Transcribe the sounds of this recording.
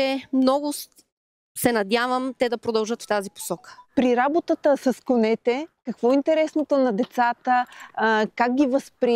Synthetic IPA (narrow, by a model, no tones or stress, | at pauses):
ɛmnɔɡʊs | sɛnɐd̪ʲjavəmt̪ɛd̪ɐpɾod̪ɐlˠʒɤt̪ft̪azipo̥sɔkə̥pɾiɾabot̪ət̪əsəskonɛt̪ɛkɐkvɔint̪ɛɾɛsnot̪onɐd̪ɛt̪sat̪ə | kaɡ̚ɡʲivəspɾi